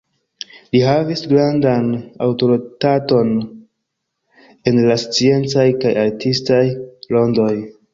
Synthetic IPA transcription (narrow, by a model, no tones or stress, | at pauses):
liɦavisɡɾandana̰wto̞ɾitato̞n | e̞nlast͡sie̞nt͡sajkajaɾtistajlo̞ndo̞j